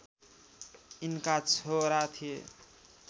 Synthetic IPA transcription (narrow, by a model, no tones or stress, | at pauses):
inkat͡sʰoɾat̪ʰie